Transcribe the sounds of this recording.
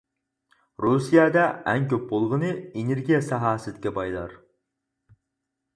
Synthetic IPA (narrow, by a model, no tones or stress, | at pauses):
ɾusijɛd̪ɛʔɛŋkʲøp̚bolˠʁənɨeneɾɡʲijɛsɑɦɑːsɪd̪ɪkʲɛbɑjlˠɑ̰ɾ